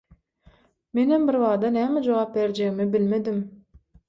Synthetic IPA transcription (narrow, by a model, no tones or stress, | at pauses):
me̞nhembiɾβɑːd̪ɑnæːmed͡ʒowɑːp̚beɾd͡ʒeimibilme̞d̪im